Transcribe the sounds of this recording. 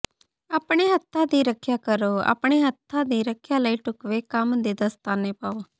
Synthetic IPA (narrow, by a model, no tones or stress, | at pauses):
əpɽ̃eɦɐt̪ʰːad̪iɾəkʰjakəɾoa̰pɽ̃eɦɐt̪ʰːad̪iːɾəkʰjaləiʈʊkʋekɐmd̪ed̪əst̪aːnepaːoː